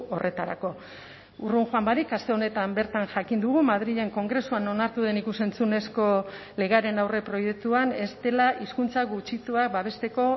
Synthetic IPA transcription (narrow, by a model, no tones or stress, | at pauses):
o̞rʔe̞t̪aɾa̰ko̞ | uruŋxwambaɾikast̪e̞o̞ne̞t̪ambe̞ɾt̪anʝakind̪uɣ̞umað̞ɾiðe̞ŋko̞ŋɡɾe̞suano̞naɾt̪uðe̞nikuse̞nt͡sune̞sko̞ | le̞ɣaɾe̞nawre̞pɾo̞je̞k̚t̪uane̞st̪e̞laʔiskunt͡saɡut͡ʃit͡suak̚baβ̞e̞st̪e̞ko̞